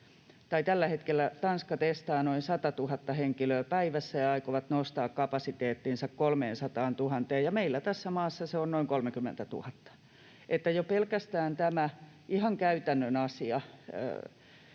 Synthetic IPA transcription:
t̪ɑit̪ælːæhet̪kelːˑæt̪ɑnskɑt̪est̪ɑːnoinsɑt̪ɑt̪uhɑt̪ːɑheŋkiløːpæiʋæsːæjɑɑikoʋɑt̪nost̪ɑːkkɑpɑsit̪eːt̪ːinsɑkkolmeːnsɑt̪ɑːnt̪uhɑnt̪eːjjɑmeilːæt̪æsːæmɑːsːɑseonnoiŋkolmekymːḛnt̪æt̪ṵhɑt̪ːɑ̥ | ʔet̪ːæjopelkæst̪æːnt̪æmæ | ʔihɑŋkæyt̪ænːønɑsiɑ̰

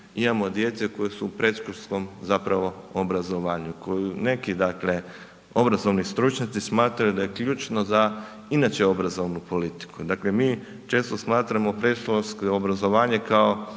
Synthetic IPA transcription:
imamo̞d̪je̞t̪seko̞jesuːpɾe̞t̪ʃkoɾsko̞mzapɾaʋo̞obɾazo̞ʋaːɲukojune̞kid̪akle̞ | o̞bɾazo̞ʋnist̪ɾut͡ʃɲat̪sismaːt̪ɾajud̪ajekʎuːt͡ʃnoza | inat͡ʃeo̞bɾazo̞ʋnupo̞lit̪i̥kud̪akle̞miː | t͡ʃe̞ːst̪o̞smaːt̪ɾamopɾe̞sʃoskeobɾazo̞ʋaːɲekao

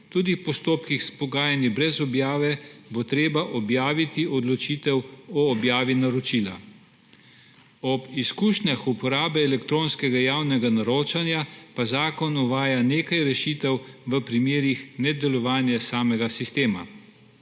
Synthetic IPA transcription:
t̪uːd̪ipɔst̪oːpkixspɔɡaːjanibɾɛzɔbjaːʋɛbot̪ɾeːbaʔɔbjaːʋit̪iɔd̪lɔt͡ʃiːt̪ɛwɔːbjaːʋinaɾɔt͡ʃila̰ | ɔbiskuːʃnaxupɔɾaːbɛɛlɛkt̪ɾoːnskɛɡajawnɛɡanaɾoːt͡ʃanjapazaːkɔnɔʋaːjaneːkajɾɛʃit̪ɛwʋəpɾimjeːɾixnɛd̪ɛlɔʋaːnjɛsaːmɛɡasist̪eːma̰

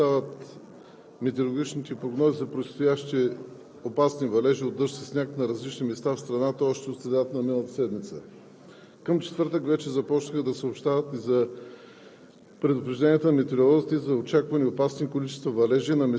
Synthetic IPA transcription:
avət̪ | mɛt̪eɾolˠoɡʲit͡ʃnit̪ɛpɾoɡnɔzizɐpɾot̪st̪ojaʃt̪i | opasnivɐlɛʒiod̪ːɤɾʃsisnʲaknɐɾɐzlit͡ʃnimɛst̪afst̪ɾɐnat̪əɔʃt̪ɛot̪sɾɛd̪at̪nɐminəlˠət̪ə̥sɛd̪mit̪sə̰ | kəmt͡ʃɛ̥t̪vɤɾt̪əkvɛt͡ʃɛzɐpɔt͡ʃnəxəd̪ɐsəopʃt̪avət̪izɐ | pɾɛd̪ʊpɾɛʒd̪ɛnʲiət̪ənɐmɛt̪ɛɾolˠɔzit̪izɐot͡ʃakvɐnʲiopasnikolit͡ʃɛ̥st̪vɐvɐlɛʒinɐmɛ

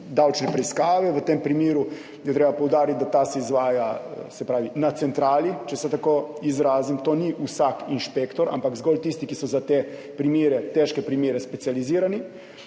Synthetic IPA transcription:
d̪awt͡ʃnɛpɾɛiskaːʋɛʋət̪empɾimiːɾu | jɛt̪ɾeːbapowd̪aːɾit̪̚d̪at̪asɛizʋaːjasɛpɾaːʋinat̪sɛnt̪ɾaːlit͡ʃɛsɛt̪akoizɾaːzimt̪oːniʔusakinʃpeːkt̪ɔɾʔa̰mpakzɡɔlt̪ist̪ikisɔzat̪e | pɾimiːɾɛt̪ɛʃkɛpɾimeːɾɛspɛt̪sijaliziːɾani

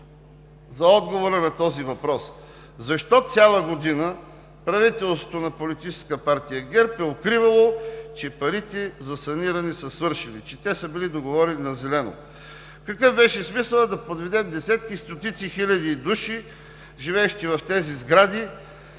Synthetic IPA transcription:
zɐɔd̪ɡovoɾɐnɐt̪ɔzivɐpɾɔs | zɐʃt̪ɔt̪sʲalˠɐɡod̪inə | pɾɐvit̪ɛlˠsvot̪onɐpolit̪it͡ʃɛ̥skəpaɾt̪ijəɡɛɾpɛot̪̚kɾivɐlˠot͡ʃɛpɐɾit̪ɛzɐsɐniɾɐnisɐsvɤɾʃɛnit͡ʃɛt̪ɛsəbilid̪oɡovɔɾɛninɐzɛlɛno̰ | kɐkɤvbɛʃɛsmisəlˠəd̪ɐpod̪vɛd̪ɛmd̪ɛsɛt̪kist̪ot̪it̪sixilʲɐd̪id̪uʃi | ʒivɛːʃt̪ivɐft̪ɛzizɡɾad̪i

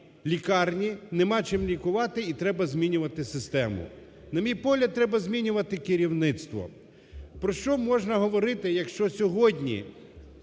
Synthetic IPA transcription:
lʲikɑrnʲinemɑt͡ʃɪmlʲikʊʋɑt̪ɪit̪ɾɛbɐzʲmʲinʲʊʋɐt̪ɪsɪst̪ɛmʊ̰ | nɐmʲijpɔɦlʲɐd̪̚t̪ːɾɛbɐzʲmʲinʲʊʋɐt̪ɪkɪɾʲiwnɪt̪st̪ʋɔ̰ | pɾɔʃt͡ʃɔmɔʒnɐɦɔʋɔɾɪt̪ɪjɐkʃt͡ʃɔsʲɔɦɔdʲnʲḭ

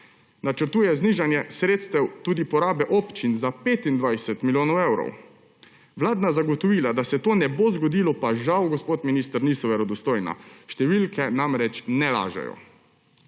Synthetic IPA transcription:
nat͡ʃəɾt̪uːjɛzniʒanjɛsɾeːt̪st̪ɛwt̪uːd̪ipɔɾaːbɛʔɔpt͡ʃinzapeːt̪ind̪ʋajsɛt̪miljoːnɔwewɾɔ̰w | ʋlaːd̪nazaɡɔt̪ɔʋiːlad̪asɛt̪oːnɛbozɡɔd̪iːlɔpaʒawɡɔspoːt̪minist̪ɾniːsɔʋɛɾɔd̪ɔst̪oːjna̰ʃt̪ɛʋilkʰɛnamɾɛt͡ʃnɛla̰ːʒɛ̰jɔ̰

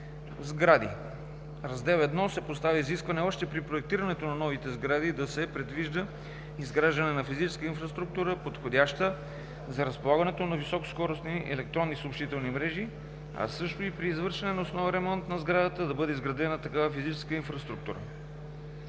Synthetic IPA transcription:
zɡɾad̪ḭ | ɾɐzd̪ɛvɛd̪nɔsɛpost̪avʲəiziskvɐnɛɔʃt̪ɛpɾipɾoɛk̚t̪iɾɐnɛt̪onɐnɔvit̪ɛzɡɾad̪id̪ɐsɛpɾɛd̪viʒd̪ə | izɡɾaʒd̪ɐnɛnɐfizit͡ʃɛ̥skəinfɾɐst̪ɾuk̚t̪uɾəpot̪xodʲaʃt̪ə | zɐɾɐspolˠaɡənɛt̪onɐvisɔko̥skɔɾosniʔɛ̰lɛk̚t̪ɾɔnːisəopʃt̪it̪ɛlˠnimɾɛʒi | ɐ̰sɤʃt̪oipɾiːzvɤɾʃɛnɛnɐosnɔvəɾɛmɔnt̪nɐzɡɾad̪ət̪əd̪ɐbɤd̪ɛizɡɾɐd̪ɛnət̪ɐkavɐfizit͡ʃɛskəinfɾɐst̪ɾuk̚t̪uɾə̰

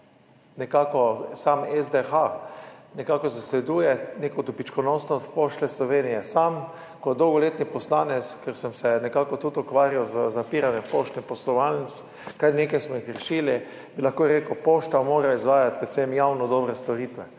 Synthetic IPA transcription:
nɛkakɔsamɛzd̪exanɛkaːkɔzasʋɛd̪uːjɛneːkɔt̪upit͡ʃkɔnosnɔst̪poʃt̪lɛslɔʋeːnijɛsam | kɔd̪owɡɔleːt̪nipɔslaːnɛt̪skɛɾsɛmsɛnɛkakɔt̪ut̪ɔkʋaːɾiɔzəzapiːɾanjɛmpoːʃt̪nipɔslɔʋalns | kajneːkajsmɔixɾɛʃiːli | bilaxkoːɾeːkəpoʃt̪amoːɾaizʋaːjat̪̚pɾɛt̪semjawnɔd̪ɔːbɾɛst̪ɔɾiːt̪ʋɛ

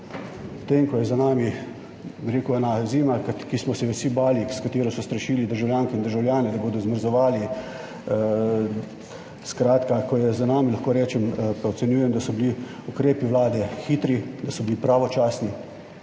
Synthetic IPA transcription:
ut̪eːŋkɔjɛzanaːmi | biɾeːkuɛnaziːmakkismɔsɛʋɛsibaːlikskat̪eːɾɔsɔst̪ɾɐʃiːlid̪əɾʒawljaːŋkɛind̪əɾʒawljaːnɛd̪aboːd̪ɔzməɾzɔʋaːli | skɾaːt̪kakɔjɛzanaːmilaxkoːɾɛːt͡ʃɛmpaɔsɛnjuːjɛmd̪asɔbiliukɾeːpiʋlaːd̪ɛxiːt̪ɾid̪asɔbilipɾaːʋɔt͡ʃaːsni

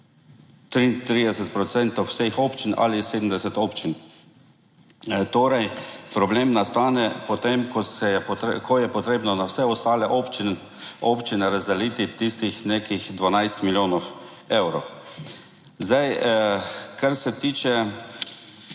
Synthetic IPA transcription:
t̪ɾint̪ɾiːd̪ɛsɛt̪pɾɔt̪sɛnt̪owsexoːpt͡ʃina̰liseːd̪m̩d̪ɛsɛt̪oːpt͡ʃin | t̪oːɾɛjpɾɔbleːmnast̪aːnɛpɔt̪emkɔsɛkʰɔjɛpɔt̪ɾeːbnɔnawsɛɔst̪aːlɛʔopt͡ʃin | oːpt͡ʃinɛɾazd̪ɛliːt̪it̪ist̪ixnekixd̪ʋanajst̪miljoːnɔw | ewɾɔ | zd̪aj | kaɾsɛt̪iːt͡ʃɛ

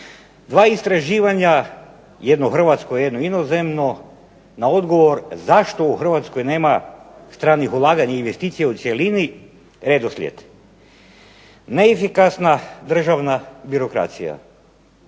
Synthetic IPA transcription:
d̪ʋaːist̪ɾaʒiːʋaɲa | jed̪noxr̩ʋat̪skojjed̪noinozemno | nao̞d̪ɡo̞ʋo̞ɾzaʃt̪o̞uxr̩ʋat̪sko̞jne̞ːmast̪ɾaːnixulˠaːɡaɲainʋe̞st̪iːt̪sijaut̪sjelini | ɾed̪oslʲjḛt̪ | neːfikasnad̪r̩ʒaʋnabiɾo̞kɾa̰t̪sḭja̰

